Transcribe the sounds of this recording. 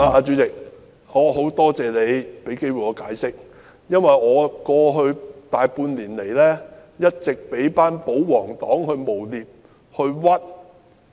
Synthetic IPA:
aː˨˧aː˧t͡ʃy˨˥t͡sɪ˨k̚ | ŋɔː˨˧ɦo˨˥wt̪ɔː˥t͡sɛː˨le˨˧jpe˨˥jke˥jwu˨jɔː˨˧kaː˨˥jsɪ˥k̚ | jɐ˥nwɐ˨jŋɔː˨˧kɔː˧ɦɵ˧ɥt̪aː˨jpuː˧nliː˨˩nle˨˩jlɛː˥jɐ˥t̚t͡sɪ˨k̚pe˨˥jpaː˥npo˨˥wwɔː˨˩ŋt̪ɔː˨˥ŋhɵ˧ɥmo˨˩wliː˨p̚ | hɵ˧ɥwɐ˥t̚

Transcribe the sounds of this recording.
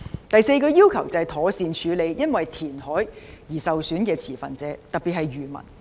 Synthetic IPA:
t̪ɐ˨jse˧jkɔː˧jiː˥wkʰɐ˨˩wt͡sɐ˨hɐ˨˩t̪ʰɔː˨˥siː˧nt͡ʃʰyː˨˧le˨˧jjɐ˥nwɐ˨jt̪ʰiː˨˩nhɔː˨˥jjiː˨˩sɐ˨wsyː˨˥nkɛː˧t͡sʰiː˨˩fɐ̰˨˩nt͡sɛː˨˧˥t̪ɐ˨t̚piː˨t̚hɐ˨jɥyː˨˩mɐ̰˨˩n

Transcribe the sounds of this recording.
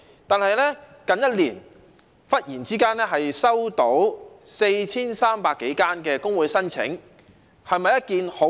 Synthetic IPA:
t̪aː˨nhɐ˨˧jlɛ˥kɐ˨˧njɐ˥t̚liː˨˩n | fɐ˥t̚jiː˨˩nt͡siː˥kaː˥nlɛː˥ɦɐ˨jsɐ˥wt̪o˨˥wse˧jt͡sʰiː˥nsaː˥mpaː˧kːe˨˥jkaː˥nkɛː˧kʊ˥ŋwuː˨˧jsɐ˥nt͡sʰɪ̰˨˥ŋ | hɐ˨jmɐ˨jɐ˥t̚kiː˨nho˨˥

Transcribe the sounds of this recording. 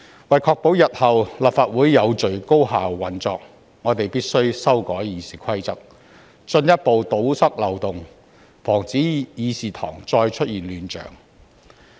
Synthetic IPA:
wɐ˨jkʰɔː˧k̚po˨˥wjɐ˨t̚hɐ˨wlaː˨˩p̚faː˧t̚wuː˨˥jːɐ˨˧wt͡ʃɵ˨ɥko˥wɦaː˨wːɐ˨˥nt͡sɔː˨k̚ | ŋɔː˨˧t̪e˨jpiː˥t̚sɵ˥ɥsɐ˥wkɔː˨˥jjiː˨˧siː˨˩kʰɐ˥jt͡sɐ˥k̚ | t͡ʃɵ˧njɐ˥t̚po˨wt̪o˨˥wsɐ˥k̚lɐ˨wt̪ʊ˨˩ŋ | fɔː˨˩ŋt͡siː˨˥jiː˨˧siː˨˩t̪ʰɔ̰ː˨˩ŋt͡ʃɔː˧jt͡ʃʰɵ˥t̚jiː˨nlyː˨˧nt͡ʃœ̰ː˨˩ŋ

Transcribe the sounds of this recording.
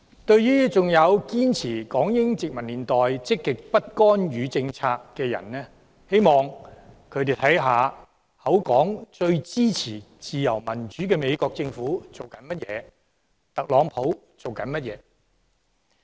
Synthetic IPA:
t̪ɵ˧ɥjyː˥t͡sʊ˨ŋjɐ˨˧wkiː˥nt͡sʰiː˨˩kɔː˨˥ŋjɪ˥ŋt͡sɪ˨k̚mɐ˨˩nliː˨nt̪ɔː˨jt͡sɪ˥kːɪ˨k̚pɐ˥t̚kɔː˥njyː˨˧t͡sɪ˧ŋt͡sʰaː˧kːɛː˧jɐ̰˨˩nnɛː˥ | he˥jmɔː˨˩ŋkʰɵ˨˧t̪e˨jt̪ʰɐ˨˥jɦaː˨ | hɐ˨˥wkɔː˨˥ŋt͡ʃɵ˧ɥt͡siː˥t͡sʰiː˨˩ | t͡siː˨jɐ̰˨˩wmɐ˨˩nt͡ʃyː˨˥kɛː˧me˨˧jkɔː˧k̚t͡sɪ˧ŋfuː˨˥t͡so˨wkɐ˨˥nmɐ˥t̚jɛ̰ː˨˧ | t̪ɐ˨k̚lɔː˨˧ŋpʰo˨˥w | t͡so˨wkɐ˨˥nmɐ˥t̚jɛ̰ː˨˧

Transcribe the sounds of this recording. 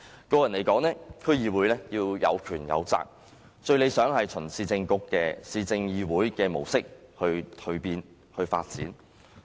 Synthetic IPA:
kɔː˧jɐ˨˩nle˨˩kɔː˨˥ŋnɛː˥kʰɵ˥jiː˨˧wuː˨˥jlɛː˥jiː˧wjɐ̰˨˧wkʰyː˨˩njɐ̰˨˧wt͡sa̰ː˧k̚ | t͡ʃɵ˧ɥle˨˧jsœː˨˥ŋhɐ˨jt͡ʃʰɵ˨˩nsiː˨˧t͡sɪ˧ŋkʊ˧kːɛː˧siː˨˧t͡sɪ˧ŋjiː˧wuː˨˥jkɛː˧mo˨˩wsɪ˥k̚hɵ˧ɥt̪ʰɵ˧ɥpiː˧n | hɵ˧ɥfa̰ː˧t̚t͡sḭː˨˥n

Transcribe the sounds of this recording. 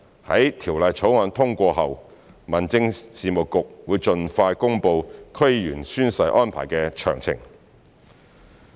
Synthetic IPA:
hɐ̰˨˥jt̪ʰiː˨˩wlɐ˨˩jt͡sʰo˨˥wŋaː˨˧nt̪ʰʊ˥ŋkʷɔː˧ɦɐ˨wmɐ˨˩nt͡sɪ˧ŋsiː˨mʊ˨kkːʊ˨k̚wuː˨˧jt͡ʃɵ˨nfaː˧jkʊ˥ŋpo˧wkʰɵ˥jjyː˨˩nsyː˥nsɐ˧˥jʔɔː˥npʰa̰ː˨˩jkɛː˧t͡ʃʰœ̰ː˨˩ŋt͡sʰɪ̰˨˩ŋ

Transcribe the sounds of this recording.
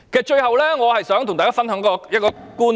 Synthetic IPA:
kʰe˨˩t͡ɕɵ˧jhɐ˨˩wlɛː˦˥ŋɔː˨˧hɐ˨˩jsœː˨˥ŋt̪ʊ˨˩t̪aː˨˩kaː˨˧˦fnhəː˨˥ŋkɔ˧jɐ˦˥kɔː˧ | kuː˧˥n

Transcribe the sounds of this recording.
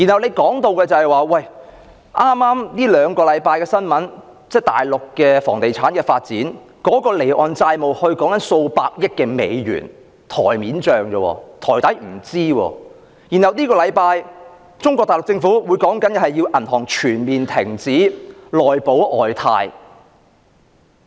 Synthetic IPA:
ji˨˩nhɐ˨˩wne˨˧jkɔː˨˥ŋt̪o˧wkɛː˧t͡sɐ˨hɛ˨jwaː˨wɐ˨˩j | ʔaː˥maː˥mniː˥lœː˨˧ŋkɔː˧lɐ˨˧jpaː˧jkɛː˧sɐ˥nmɐ˨˥n | t͡sɛː˥˩t̪a̰ː˨jlʊ˨kːɛː˧fɔː˨˩ŋt̪e˨jt͡sʰaː˨˥nkɛː˧faː˧t̚t͡siː˨˥n | kɔː˨˥kɔː˧le˨˩jʔɔː˨nt͡saː˧jmo˨˩whɵ˧ɥkɔː˨˥ŋkɐ˨˥nso˧wpaː˧k̚jɪ˥kːɛː˧me˨˧jjy̰ː˨˩n | t̪ʰɔː˨˩jmiː˨˥nt͡ʃœː˨ŋt͡ʃɔː˧wɔ̰ː˧t̪ʰɔː˨˩jt̪ɐ˨˥jm̩˨˩t͡siː˥wɔ̰ː˧ | jiː˨˩nhɐ˨˩wniː˥kɔː˧lɐ˨˧jpaː˧j | t͡sʊ˥ŋkʷɔː˧t̪aː˨jlʊ˨k̚t͡sɪ˧ŋfuː˨˥wuː˨˧jkɔː˨˥ŋkɐ˨˥nɛ˧hɐ˨jːiː˧wʔɐ˨˩nt̪ʰɔː˨˩ŋt͡ʃʰyː˨˩nmiː˨nt̪ʰɪ˨˩ŋt͡siː˨˥lɔː˨jpo˨˥wʔɔː˨jt̪ʰa̰ː˧j

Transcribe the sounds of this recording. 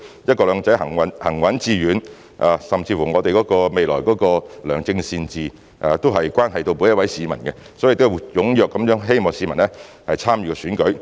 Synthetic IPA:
jɐ˥t̚kɔː˧lœː˨˧ŋt͡sɐ˨˥jɦɐ˨˩ŋwɐ˨˥nhɐ˨˩ŋwɐ˨˥nt͡siː˧ɥyː˨˥n | ʔaː˨sɐ˨mt͡siː˧fuː˨˩ŋɔː˨˧t̪e˨jkɔː˨˥kɔː˧me˨jlɔ̰ː˨˩jkɔː˨˥kɔː˧lœː˨˩ŋt͡sɪ˧ŋsiː˧nt͡siː˨ | ʔa˨t̪o˥wɦɐ˨jkwaː˥nɦɐ˨jt̪o˧wpu˨˥njɐ˥wɐ˨˥jsiː˨˧mɐ˨˩nkɛ˧ | sɔː˨˥i˨˧kt̪o˥˨jʊ˨˥ŋjœː˨kːɐ˨˥mjœː˨˥ŋɦe˥jmɔː˨ŋsiː˨˧mɐ˨˩nɛ˥ | hɐ˨jt͡sʰaː˥mjyː˨˧kɛ˧syː˨˥nkɵ˨˥ɥ

